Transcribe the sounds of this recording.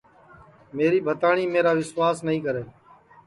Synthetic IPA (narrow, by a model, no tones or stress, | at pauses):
meːɾiːbʱət̪aːɳiːmeːɾaːʋɪswaːsnəɦĩːkəɾeː